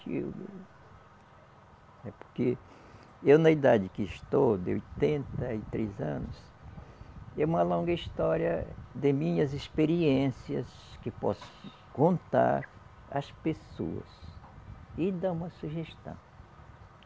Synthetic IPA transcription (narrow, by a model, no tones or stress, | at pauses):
ḭwd̪ | ɛpo̥ɾke | ewnɐid̪ad͡ʒɪkɪːst̪owd̪ɪ̰o̰jt̪ẽnt̪ɐɪt̪ɾezɐ̰̃nʊs | ɛũmɐlõɡɐist̪ɔɾiɐd̪ɪmĩɲɐzispeɾiẽsiɐs | kɪpɔ̰sʊ̥ | kõnt̪a̰ɾ | ɐ̰speso̰ɐ̰s | ɪd̪ɐ̃ũmɐsuʒest̪ɐ̰̃w̃